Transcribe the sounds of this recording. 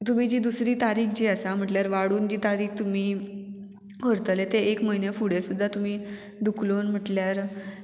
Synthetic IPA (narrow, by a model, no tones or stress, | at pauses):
t̪um̤id͡ʑiːd̪usɾiːt̪aɾiːkd͡ʑiasam̤əʈljaɾʋaɽuːnd͡ʑiːt̪aɾiːk̚ʰt̪um̤iː | kəɾt̪əlet̪eʔekməinjefuɽesud̪ʱːat̪um̤iː | d̪ukʰloːnm̤əʈljaɾ